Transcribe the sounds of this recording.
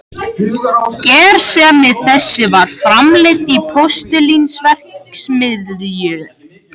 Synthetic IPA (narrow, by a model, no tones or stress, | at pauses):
cɛːɾ̥sɛmɪðθɛsːɪvaɾ̥fɾamlɪt̪ipʰɔst̪ʏlinsvɛr̥ksmɪðɾjʏ